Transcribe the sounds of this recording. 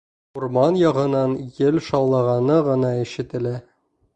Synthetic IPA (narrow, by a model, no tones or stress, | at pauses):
uɾmɑnjɒʁɤ̆nɑnjɘlʃɑwlˠɑʁɑnɤʁɤ̆nɑiʃɘ̆t̪ɘ̆læ